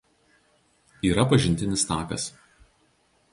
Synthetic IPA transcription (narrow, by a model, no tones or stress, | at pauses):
iːɾɐpɐʒʲɪnʲt̪ʲɪnʲɪst̪ɑːkɐ̰s